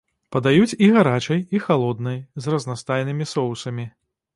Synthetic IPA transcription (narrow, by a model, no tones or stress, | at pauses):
pɐd̪ajut͡sʲiɣaɾat͡ʂɐjixalˠɔd̪nɐjzrɐznast̪ajnɨmʲisɔwsɐmʲi